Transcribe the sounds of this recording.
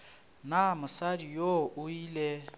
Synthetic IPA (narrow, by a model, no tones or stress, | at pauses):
namʊsadijoʔʊiːlɛ